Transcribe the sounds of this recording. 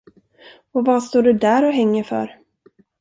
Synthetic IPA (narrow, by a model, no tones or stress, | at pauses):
ɔvast̪oːɖɵd̪æɾɔɦɛŋːəɾfœ̰ɾ